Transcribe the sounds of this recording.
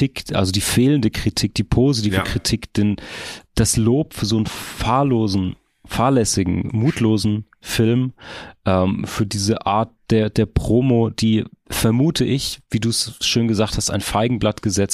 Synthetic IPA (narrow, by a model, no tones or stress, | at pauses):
ikʔa̰lzodiːfeːləndəkʁ̥itʰiːk̚d̥iːpʰozitʰivəkʁ̥itʰiːkd̥end̥asloːpfyːɐzoːnənfaːɐloːzn̩ | faːɐlɛsɪɡŋ̩muːtʰloːzn̩ | fɪlmʔɛːmfyːɐdiːzəʔa̰ːɐt̚d̥eːɐd̥eːɐpʁ̥oːmod̥iːfɛɐmuːtʰəʔɪçv̥iːduːsʃøːnɡəzaːkthasta̰ɪnfaɪɡŋ̩blatɡ̥əzɛt͡st